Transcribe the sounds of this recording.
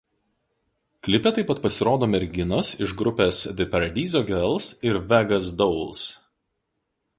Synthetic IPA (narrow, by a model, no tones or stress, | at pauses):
klʲɪpʲɛt̪ɐɪpɐt̪̚pɐsʲɪɾoːd̪oːmʲɛɾʲɡʲɪnosɪʒɡɾʊpʲeːsd̪ʲɪpɐɾɐd̪ʲiːzʲoːɡʲɛlˠsɪɾʋʲɛɡɐs̬d̪ɔʊlˠs